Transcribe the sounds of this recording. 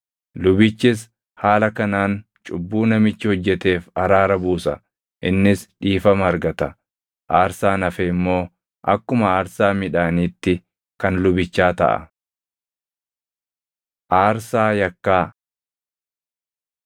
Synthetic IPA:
lʊbɪt͡ʃːɪs̬ | haːlɐkɐnaːn | t͡ʃʼʊbːuːnɐmɪt͡ʃːɪhɔd͡ʒːɛt̪e̞ːfɐɾaːɾɐbuːsɐ | ʔɪnːɪsᶑiːfɐmɐɐɾɡɐt̪ɐ | ʔaːɾsaːnɐfɛːɪmːo̞ː | ʔɐ̰kːʊmɐaːɾsaːmɪᶑaːniːt̪ːɪ | kɐnlʊbɪt͡ʃːaːt̪ɐ̰ʔɐ̰ | ʔaːɾsaːjɐkːaː

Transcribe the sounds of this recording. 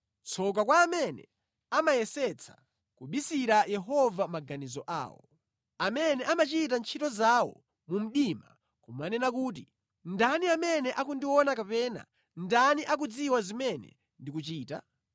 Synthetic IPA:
t͡sʰɔk̬akwaːmɛnɛ̰ | amajɛsɛt͡sʰḁ̰ | kuɓisiɾajɛɦɔvamaɡanizɔʔa̰ːwɔ̰ | amɛnɛʔamat͡ʃit̬ant͡ʃʰitɔzawɔ̰ | mum̩ɗima | kumanɛnak̬uːt̬i | ndaniamɛnɛʔakundiwɔnakapɛːna̰ | ndaniʔak̬ud͡ziwazimɛnɛ̰ | ndikut͡ʃiːta̰

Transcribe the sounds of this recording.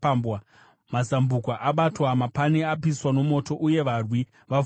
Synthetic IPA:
bwa | mazambukwaʔaɓatwamapaneapiswano̞mo̞to̞ʔuje̞ʋarwi | ʋa

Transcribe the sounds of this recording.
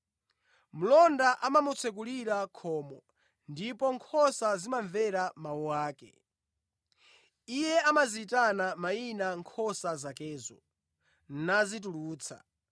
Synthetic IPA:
m̩lɔndaʔamamut͡sʰɛk̬uliɾakʰɔːmɔ | ndipɔŋkʰɔsazimaɱvɛɾamawuwaːkɛ̰ | ijɛamaziːtanamainaŋkʰɔsazakɛːzɔ̰ | n̩nazituluːt͡sʰa̰

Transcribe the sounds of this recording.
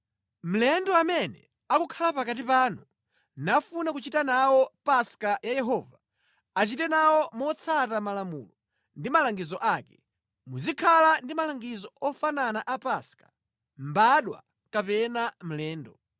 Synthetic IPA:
m̩lɛndɔamɛnɛ̰ | akukʰalapakat̬ipaːnu | nafunakut͡ʃitanawɔpaskajajɛɦɔːva | at͡ʃitɛnawɔmɔt͡sʰatamalamṵːlɔ | ndimalaŋɡizɔʔakɛ | muzikʰalandimalaŋɡizɔɔfananaʔapaskḁ | mbaɗwa̰ | kapɛnam̩lɛːndɔ

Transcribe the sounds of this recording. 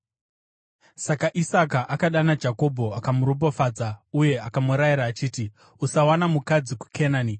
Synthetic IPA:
sakaʔisakaʔakaɗanad͡ʒako̞bʱo̞akamuɾob̬ofaːd͡zauje̞akamuɾajiɾaːt͡ʃiːti | usawanamukad͡ziku̥kʰenaːni

